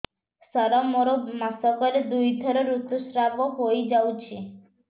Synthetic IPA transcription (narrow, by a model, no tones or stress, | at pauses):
saɾɔmoɾomasɔkɔɾed̪ujt̪əɾoɾut̪usɾaboɦojd͡ʒawt͡ʃʰe